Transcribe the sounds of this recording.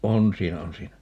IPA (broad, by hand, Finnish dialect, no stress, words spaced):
on siːnæ on siːnæ